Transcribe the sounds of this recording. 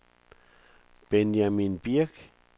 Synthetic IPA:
penjaminpiak

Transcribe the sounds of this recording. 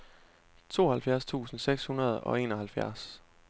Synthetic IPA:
t͡sʰo̝̰ːhælfjæɐst͡sʰṵːsn̩seɡ̥shunɐð̞̩ˠɒ̽e̝̰ːnɒ̽hælfjæɐs

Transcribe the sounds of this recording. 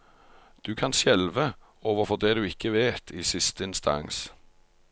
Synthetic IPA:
d̪̥ʉːkʰɑnʃjɛlʋə | oːʋəʁfɔʁd̪eːd̪ʉːɪkːəʋeːt̪ʰiːsɪst̪əɪnst̪ʰɑ̰ŋs

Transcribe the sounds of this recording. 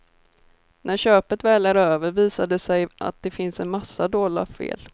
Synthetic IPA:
næɾɕøːpət̪vɛːlaɾøːvəɾviːsad̪əsɛja̰t̪̚d̪ɛfɪnsɛnmasːad̪oːla̰fḛːl

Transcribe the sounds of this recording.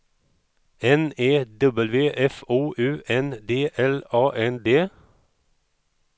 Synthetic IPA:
ɛneːd̪ɔbəlʋeːʔɛfuːʔʉːʔɛnd̪eːʔɛlɑːʔɛnd̪eː

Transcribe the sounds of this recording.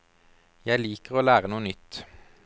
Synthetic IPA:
jæɪliːkəʁoːlæːʁənuːənʏt̪

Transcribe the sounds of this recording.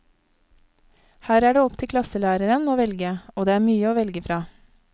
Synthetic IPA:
hæːɾæːɖeːɔpt̪ʰɪkʰlɑsəlæːɾəɾənoːʋɛlɡəoːd̪eːæːmyːəoːʋɛlɡəfɾɑː

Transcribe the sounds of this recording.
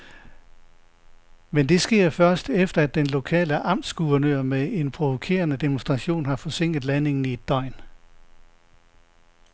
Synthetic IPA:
mend̥e̝sɡ̥e̝ɐ̰fɶɐsd̥efd̥ɐæd̥ːenlo̝kʰɛ̰ːləʔɑ̈m̰d̥sɡ̥uʋɐnøɐ̰mee̝npʰʁo̝ʋo̝kʰe̝̰ːɐnəd̥e̝monsd̥ʁɑ̈ɕo̝̰ːnɦɑ̈fɒ̽se̝ŋ̰ɡ̥ð̩ˠlæne̝ŋn̩ied̥ɒ̽ɪ̰n

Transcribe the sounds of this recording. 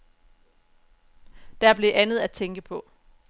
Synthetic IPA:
d̥æɐb̥le̝ʔænð̞̩ˠæt͡sʰeŋɡ̥əpʰɒ̽

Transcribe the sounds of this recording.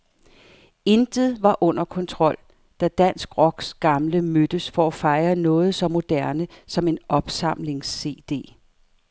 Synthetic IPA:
e̝nd̥ð̩ˠʋɑ̈ʔɔ̽n̰ɐkʰɒ̽nt͡sʰʁɒ̽l̰ | d̥æd̥æn̰sɡ̥ʁɒ̽ɡ̥sɡ̥ɑ̈mləmød̥əsfɒæfɑ̈ɪɐnɔ̽ːð̞̩ˠsɒ̽mo̝d̥æɐnəsɒ̽me̝nɒ̽b̥sɑ̈m̰le̝ŋsːe̝̰ːd̥e̝̰ː

